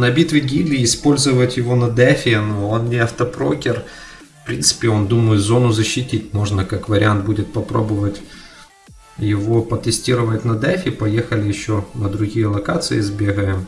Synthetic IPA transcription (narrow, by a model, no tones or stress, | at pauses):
nɐbʲit̪vʲɪɡʲiblʲɪːspo̞lʲzɨvətʲjɪvo̞nɐd̪ɛfʲɪnoonnʲɪɐft̪ɐpɾo̰kʲɪr | fpɾʲintsɨ̥pʲɪo̞nd̪uməjɪt̪zo̞nʊzəɕːɪtʲitʲmo̞ʐnəkakvəɾʲɪant̪̚budʲɪt̪̚pɐpɾo̞̰bəvətʲ | jɪvo̞pət̪ɨsʲtʲiɾəvətʲnɐd̪ɛfʲɪpɐjexəlʲɪjɪɕːonəd̪ɾʊɡʲijəlˠɐkat̪sɨɪzbʲeɣəjɪm